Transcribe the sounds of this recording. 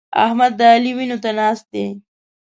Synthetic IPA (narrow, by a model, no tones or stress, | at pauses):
a̰hmad̪ːəːliwinot̪anɑːst̪̚d̪e